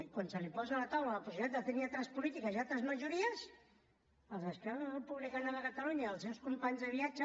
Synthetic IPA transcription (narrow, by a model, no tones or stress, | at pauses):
kwansəlipɔzalat̪awlaləpusit̪at̪dət̪əniat̪ɾəspulit̪ikəzialˠt̪ɾəzməʒuɾiəs | əlˠzəskɾɛəpuβlikanələkət̪əluɲaəlˠsɛwskumpaɲzðəβiad͡ʒə